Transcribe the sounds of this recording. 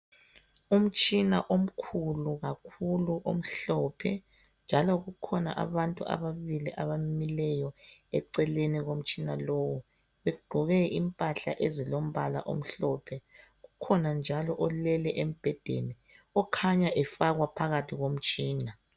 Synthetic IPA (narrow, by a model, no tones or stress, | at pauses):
um̩t͡ʃʼina̰ʔom̩kʰuluɣakʰuluʔom̩ɬɔpʰɛ | nd͡ʒʱalɔɣukʰɔna̰ʔa̰βantʼua̰βaβiliʔaβamimilɛjɔɛǀɛleniɣom̩t͡ʃʼinalowu | βɛɡ͡ǃʱɔɣɛimpʼaɬaʔezilom̩βala̰ʔo̰m̩ɬɔpʰɛ | ɣukʰɔnand͡ʒʱalɔʔɔlɛlɛʔem̩b̥ʱɛd̥ʱḛni | ɔkʰaɲaʔɛfaɣwapʰaɣatʰiɣom̩t͡ʃʼiːna